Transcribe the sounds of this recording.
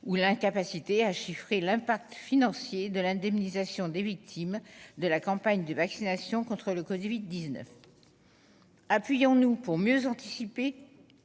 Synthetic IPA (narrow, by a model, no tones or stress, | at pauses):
ulɛ̃kapasit̪eaʃifχelɛ̃pak̚t̪finɑ̃sjed̪əlɛ̃d̪ɛmnizasjɔ̃d̪evik̚t̪ʰimd̪əlakɑ̃paɲd̪əvaksinasjɔ̃kɔ̃t̪χələkɔvid̪ːiznœ̰f | apɥijɔ̃nupuʁmjøzɑ̃t̪isipe